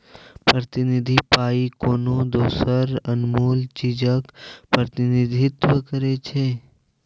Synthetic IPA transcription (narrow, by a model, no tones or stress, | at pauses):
pɾət̪ɪnɪd̪ʱipaːikoːnod̪oːsəɾɐnmuːlt͡ʃiːd͡ʒəkpɾət̪ɪnɪd̪ʱɪt̪wəkəɾet͡ʃʰeː